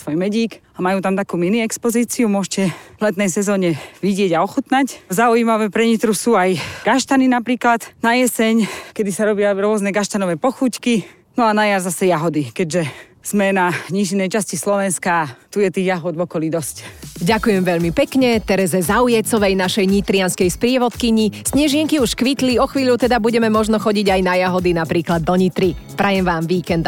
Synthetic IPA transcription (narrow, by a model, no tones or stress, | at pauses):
sʋɔjmɛɟiːkamajuːt̪amt̪akuːminiɛkspɔziːt͡siumʊɔʃcɛvlɛt̪nɛjsɛzɔːɲɛʋiɟɪɛɟaɔxut̪naczauiːmaʋɛːpɾɛɲit̪ɾusuːajɡ̥aʃt̪aninapɾiːklat̪najɛsɛɲkɛd̪isaɾɔbɪaɾʊɔznɛɡaʃt̪anɔʋɛːpɔxuːcki | nɔanajaɾzasɛjaɦɔd̪ikɛɟʒɛ | z̥mɛnaɲiʃinɛjt͡ʃascislɔʋɛnskaːt̪ujɛt̪iːɣjaɦɔd̪ʋɔkɔlid̪ɔscɟakujɛmʋɛʎmipɛkɲɛt̪ɛɾɛzɛzaujɛt͡sɔʋɛjnaʃɛjɲit̪ɾɪanskɛjspɾɪɛʋɔt̪kiɲisɲɛʒɪɛŋkiuʃkʋit̪liɔxʋiːʎut̪ɛd̪abuɟɛmɛmɔʒnɔxɔɟiɟajnajaɦɔd̪inapɾiːklad̪ːɔɲit̪ɾi | pɾajɛmʋaːmʋiːkɛnd̪